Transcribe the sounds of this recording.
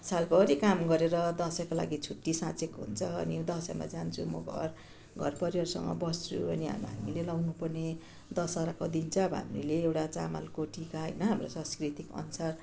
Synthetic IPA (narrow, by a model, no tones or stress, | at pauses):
salbʌɦːɾikamɡʌɾeɾʌd̪ʌsʌkola̰ɡit͡sʰuʈːisãt͡sekoɦṵnt͡sʰʌʌ̰nid̪ʌsʌma̰d͡zant͡sʰumʌ̰ɡʱʌ̰r | ɡʱʌ̰rpʌɾiʌɾusʌ̰ŋɡʌ̰bʌst͡sʰṵʌniɦa̰mɦa̰milelʌwnupʌrne | d̪ʌsaɾakod̪int͡sʰʌʌbʌɦa̰mileewʈat͡sa̰ma̰lkoʈikaɦʌ̰jnʌɦamrosãskrit̪ikʌ̰nusar